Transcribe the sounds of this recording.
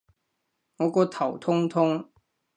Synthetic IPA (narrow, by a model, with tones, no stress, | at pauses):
ŋɔ˨˧˥kɔː˨˧t̪ʰɐ˨˩wt̪ʰʊ˥ŋt̪ʰʊ˥ŋ